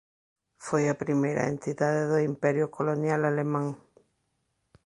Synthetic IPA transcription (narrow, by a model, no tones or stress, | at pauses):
fojapɾimejɾa̰ḛ̃nt̪iðaðeðoimpɛɾjʊkolonjalalemãŋ